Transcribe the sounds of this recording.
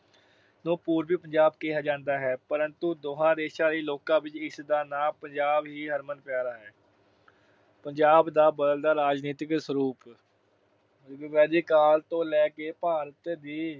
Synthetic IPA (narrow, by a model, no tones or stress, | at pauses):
nũːpuːɾbiːpəɲd͡ʒaːbkeɦaːd͡ʒãːnd̪aːɦɛːpəɾənt̪ũːd̪oːɦãːd̪eːsaːɾiːloːkãːbɪt͡ʃɪsd̪aːnãːpəɲd͡ʒaːbɦiːɦəɾmənpaːɾaːɦɛː | pəɲd͡ʒaːbd̪aːbəd̪əld̪aːɾaːd͡ʒniːt̪ɪksəɾuːp | iːʋɛːd̪iːkaːlt̪õːlɛːkeːpaːɾət̪d̪iː